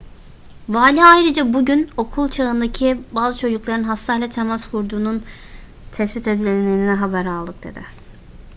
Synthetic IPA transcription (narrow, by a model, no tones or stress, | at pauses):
vaːlʲiajɾɯd͡ʒabuɟyno̞kʰulˠt͡ʃʰaɯnd̪acʰibaːzɯt͡ʃʰo̞d͡ʒuklˠaɾɯnɦast̪ʰaːjlʲat̪ʰemaskʰuɾd̪uːnun | t̪ʰɛsbit̪ʰed̪ilʲeneninɛɦabæɾalˠd̪ɯk̚d̪̥e̞̰d̪ɪ